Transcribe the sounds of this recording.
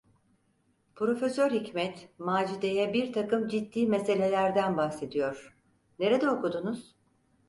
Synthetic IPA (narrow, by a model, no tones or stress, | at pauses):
pɾo̞fe̞søɾhicmɛt̪maːd͡ʒid̪ejɛbiɾt̪ʰakɯmd͡ʒid̪ːiːmese̞lʲe̞lʲæɾd̪ænbahse̞d̪ijo̞ɾ̥ | ne̞ɾe̞d̪ɛokud̪unuz̥